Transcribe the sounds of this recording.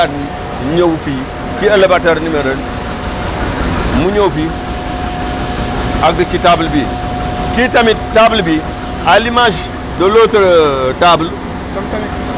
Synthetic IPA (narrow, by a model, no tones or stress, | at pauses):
ad | ɲowfi | kialabataɾnimeɾən | muɲowfi | ak̚dət͡ʃitabəlbi | kitamitːabəlbi | alimaʃ̬ | dolotəɾtabul